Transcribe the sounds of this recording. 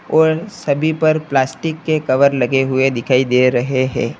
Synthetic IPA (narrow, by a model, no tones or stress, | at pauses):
ɔːɾsɐbʱipɐɾplaːsʈɪkːekɐʋəɾlɐɡeɦʊed̪ɪkʰaːid̪eɾɐɦeɦɛ̰̃ː